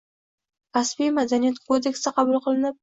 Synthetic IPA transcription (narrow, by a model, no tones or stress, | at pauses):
ɾasbijmad̪anijat̪̚kʰod̪e̞kʲsɪqʰɑbʊlˠqʰɨlˠɪnɪp̚